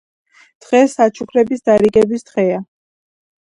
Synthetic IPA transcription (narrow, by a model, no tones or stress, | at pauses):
d̪̥ʁɛsːat͡ʃʰukʰɾɛbisd̪aɾiɡɛbisd̪̥ʁɛa